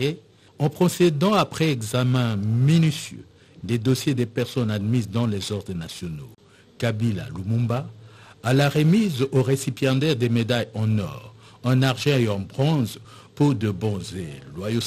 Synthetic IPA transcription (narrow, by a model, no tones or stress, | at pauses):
e | ɑ̃pχosed̪ɑ̃apχɛɛɡzamɛ̃minysjø̰ | d̪ed̪ɔsjed̪epɛʁsɔnad̪mizd̪ɑ̃lezɔʁd̪ʁənasjɔno | kabila̰lumũmbaː | laʁemizoʁesipjãd̪ɛʁd̪emed̪ajɑ̃nɔ̰ʁɛ̃naʁʒɛ̃eɑ̃bʁɑ̃z | puʁd̪əbɔ̃zelwajo